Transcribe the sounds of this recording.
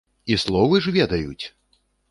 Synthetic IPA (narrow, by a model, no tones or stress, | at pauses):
islˠɔvɨʐvʲɛd̪ɐjut͡sʲ